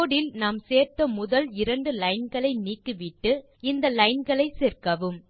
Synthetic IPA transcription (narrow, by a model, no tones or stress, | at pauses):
oːɽɪlnaːmseːɾt̪ɐmʊðɐlɪɾɐɳɖɯlɐɪnɡɐɭɐɪniːkːɯʋɪʈːɯ | ɪnd̪ɐlɐɪnɡɐɭɐɪsɛːɾkɐʋɯm